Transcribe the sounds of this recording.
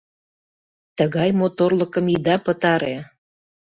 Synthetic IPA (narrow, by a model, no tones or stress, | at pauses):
t̪əɣɑjmot̪orləkə̆mid̪ɑpət̪ɑɾe